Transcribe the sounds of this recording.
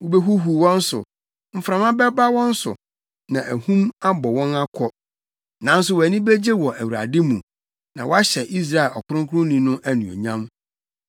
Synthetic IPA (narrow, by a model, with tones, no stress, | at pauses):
wo˨be˦ɦu˦ɦu˨wɔ̃˦n̩˦sʊ̰˨ | m̩˨fɾã˨mã˦bɛ˦ba˦wɔ̃˦n̩˦sʊ̰˨ | nã˨ʔæ˨hũ˦ma˦bɔ˨wɔ̃˦na˦kʰɔ˦ | nã˨˦n̩˦s̬ʊ˨wæ˨nĩ˦be˦d͡ʑe˦wɔ˨ʔæ˨wu˨ɾa̰˨dɪ˦mũ˨ | nã̰˨wɔ˦a˦ɕɛ˨ʔi˦s̬ɾa˦˨ɛ˨lɔ˨kʰʊ˦ɾʊ̃˦ŋkʰʊ˦ɾʊ̃˦nĩ˨nʊ̃˦ʔæ˦nũ˨ɔ̰˨ɲã˦m